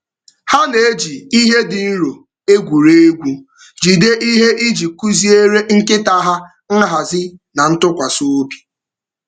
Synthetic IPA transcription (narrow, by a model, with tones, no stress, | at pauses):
ha˦ne˨e˦d͡ʒi˨i˦ɦe˦dɪ˨n̩˦ɾo˨ | e˦ɡʷu˨ɾe˦e˦ɡʷu˦ | d͡ʒi˨de˦ʔi˦ɦe˦ʔi˦d͡ʒi˨ku˦zi˦e˦ɾe˦ŋ̩˦kɪ˦ta˦ɦa˦ | ŋ̩˦ɦa˨zɪ˦na˨n̩˦tʊ˦kʷa˨so˦o˦bi̥˨